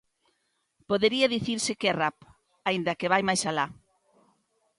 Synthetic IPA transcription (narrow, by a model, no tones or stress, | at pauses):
poðeɾiɐðiθiɾsɪkɛrap | aind̪ɐkeβajmajsala